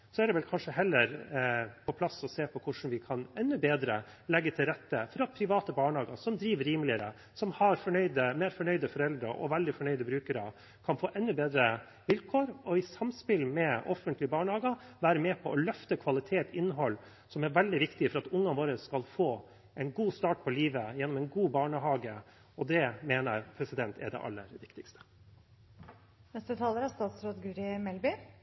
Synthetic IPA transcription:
sɔɛɖ̪ɛʋɛlkʰɑnʂəɦɛlːəɾpʰɔpʰlɑsɔseːpʰɔkʰʊʂn̩ʋɪkʰɑnɛnːʉbeːd̪ɾə | lɛɡːət̪ʰɪlɾɛt̪ːəfɔɾɑt̪̚pʰɾɪʋɑːt̪əbɑːɳhɑːɡɑ̰sɔmd̪ɾiːʋɾiːmlɪəɾə̰ | sɔmhɑɾfɔɳœʏd̪əmeːɾfɔɳœʏd̪əfɔɾɛld̪ɾɑʔɔ̰ʋɛld̪ɪfɔɳœʏd̪əbɾʉːkəɾɑ | kʰɑnfoːʔɛnːʉbeːd̪ɾə | ʋɪlkʰoːɾɔɪsɑmspɪlmɛʔɔfənt̪lɪbɑːɳhɑːɡɑʋæːɾəmeːpʰɔʔɔlœft̪əkʰʋɑlɪt̪ʰeːt̪ɪnːəɦɔlː | sɔmɛɾʋɛld̪ɪʋɪkt̪ɪfɔɾɑt̪ʊŋːɑnʋoːɾəsːkɑlfoː | ʔɛɪnɡuːst̪ɑːʈ̚pʰɔliːʋəjɛnːɔmɛɪnɡuːbɑːɳəɦɑːɡə | ɔd̪ɛmeːnəɾpʰɾɛsɪd̪ɛnt̪ʰɛ̰ɖɛ̰ʔɑ̰lːə̰ɾʋɪkt̪ɪkst̪ʰə̥ | nɛst̪ət̪ʰɑːləɾæst̪ɑːt̪sɾoːd̪ɡʉɾɪmɛlbɪ

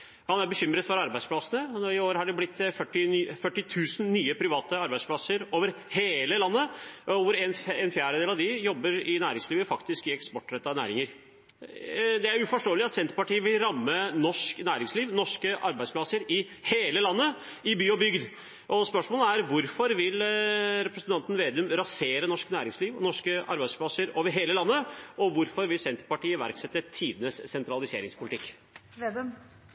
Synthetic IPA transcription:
hɑnæɾbəɕʏmːɾəd̪fɔɾɑɾbæɪdspʰlɑsənəɪoːɾəhɑɖɛblɪt̪ːfœʈːɪfœʈːɪt̪ʰʉːsən̩nyːəpʰɾɪʋɑːt̪əɑɾbæɪspʰlɑsəɾoːʋəɾheːləlɑnːəːʋʊɾɛnɛnfjæːɾəd̪eːlɑʋd̪ɪjɔbːəɾɪnæːɾɪŋsliːʋəfɑkt̪ɪskɪɛkspɔʈːɾɛt̪ːɑnæ̰ːɾɪŋəɾ | d̪ɛæɾʉfɔʂʈoːəlɪɑt̪sɛnt̪əɾpɑʈiːəʋɪlɾɑmːənɔʂknæːɾɪŋsliːʋnɔʂkəʔɑɾbæɪsplɑsəɾɪ | heːləlɑnːəɪbyːɔbʏɡd̪ | ʔɔspœʂmoːləæɾʋʊɾfɔɾʋɪlɾɛpɾəsnt̪ʰɑnt̪n̩ʋeːd̪ʉmɾɑseːɾənɔʂknæːɾɪŋsliːʋɔ̰nɔʂkəʔɑ̰ɾbæɪspʰlɑsəɾoːʋəɾɦeːləlɑnːəɔʋʊɾfɔɾʋɪlsɛnt̪əɾpɑʈiːəʋæ̰ɾksɛt̪ːət̪ʰiːd̪ənəsːɛnt̪ɾɑlɪsḛːɾɪŋspʰʊlɪt̪ɪkː | ʋed̪m

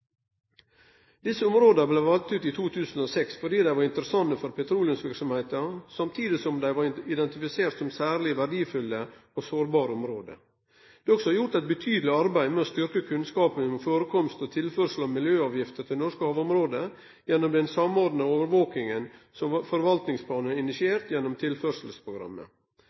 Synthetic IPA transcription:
d̪ɪsːəɔmɾoːd̪əɾbleːʋɑlt̪ʉːt̪iːt̪ʰuːt̪ʰʉːsnoːsɛksfɔɖiːd̪æɪʋɑɾɪnt̪əɾəsɑnːəfɔɾpʰɛt̪ʰɾuːlɪənsʋɪɾksɔmheːt̪əsɑmt̪ʰiːd̪ɪsɔmd̪æɪʋɑɾɪd̪ɛnt̪ɪfɪseːɾt̪sɔmsæːɾɭɪʋæɖiːfʉlːəosoːɾbɑːɾəɔmɾoːd̪ə̰ | d̪̥ɛɔksɔhɑjʊʈ̪æɪt̪̚bət̪ʰyːd̪əlɪɑɾbæɪmɛɔst̪ʏɾkəkʰʉnskɑːpənɛnɔmfoːɾəkʰɔmst̪ɔt̪ʰɪlfœːɾʂəl̩ɑʋmɪljøːɑːʋjɪft̪ət̪ʰɪlnɔʂkəhɑːʋɔmɾoːd̪ə | jɛnːɔmd̪ɛnsɑmoːɾd̪n̩ɑoːʋəɾʋoːkɪŋənsɔmfɔɾʋɑlt̪nɪŋspʰlɑːnəɪnɪsɪeːɾt̪jɛnːɔmt̪ʰɪlføːɾʂəlspʰɾʊɡɾɑ̰mːə̰

